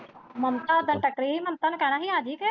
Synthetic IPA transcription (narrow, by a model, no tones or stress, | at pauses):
mɐmt̪ad̪ənʈɐkɾiɦimɐmt̪ankañaɦiaːd̪ʱikː